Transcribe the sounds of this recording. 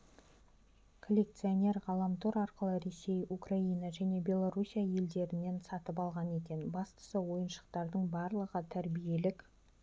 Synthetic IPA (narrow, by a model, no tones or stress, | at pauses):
kʰo̞lʲːe̞k̚t̪sɨo̞ne̞ɾʁɑlˠɑmt̪ʰoɾɑɾqəlˠəɾe̞se̞jukrainaʒæne̞bʲe̞lˠoɾusʲijaje̞ld̪e̞ɾɪnːe̞nsɑt̪əpɑlˠʁɑne̞kʲe̞nbɑst̪ə̥səwo̞jənʃə̥qt̪ɑɾd̪əɴbɑɾlˠəʁət̪ʰæɾbije̞lɪk